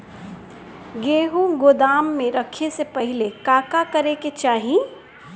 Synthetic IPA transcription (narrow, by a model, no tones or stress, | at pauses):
ɡeːɦuɡod̪aːmːeɾəkʰesepəɦɪlekaːkakəɾeket͡ʃaːɦĩ